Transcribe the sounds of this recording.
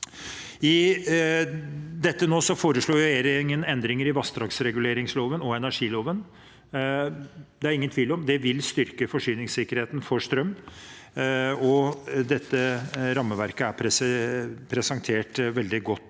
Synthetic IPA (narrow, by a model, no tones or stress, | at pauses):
ɪ | d̪ɛt̪ːənoːsɔfoːɾəʂɭuːjʊɛeːɾɪŋənɛnd̪ɾɪŋəɾɪʋɑst̪ɾɑksɾɛɡʉleːɾɪŋsloːʋənɔɛnæʂiːloːʋən | d̪ɛæɾɪŋənt̪ʰʋiːlɔmd̪ɛʋɪlst̪ʏɾkəfɔʂyːnɪŋsɪkəɾheːt̪nfɔʂt̪ɾœm | ɔd̪ɛt̪ːəɾɑmːəʋæɾkəæpʰɾ | pʰɾɛsɛnt̪ʰeːʈʋɛld̪ɪɡɔt̪ː